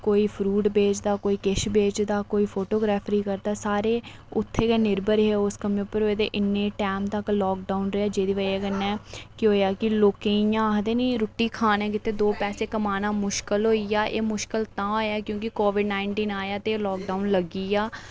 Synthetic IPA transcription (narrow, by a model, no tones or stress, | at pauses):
koːiːpʰɾuːʈbeːt͡ʃd̪aːkoːiːkɪʃbeːt͡ʃd̪aːkoːiːpʰoːʈoːɡɾaːpʰɾiːkəɾd̪aːsaːɾeː | ʊt̪ʰːeːkɛːnɪɾbəɾɦeʊskəmẽːpəɾɦoːeːt̪eːʔɪnːẽːʈɛːmt̪əklɔːk̚ɖaːʊnɾəaːd͡ʒeːd̪iːʋəɛːkənːɛ̃ːkɪɦoːjaːkɪloːkẽːjãːɦəd̪eːniːɾʊʈːiːkʰaːnɛ̃ːkɪt̪ʰːeːd̪oːpɛːseːkəmaːnãːmʊʃkəlɦoːiːaːʔeːmʊʃkəlt̪ãːoːjaːkjõːkɪkoːʋɪɖnaːɪɳʈiːnaːjaːt̪eːlɔːk̚ɖaːunləɡiːaː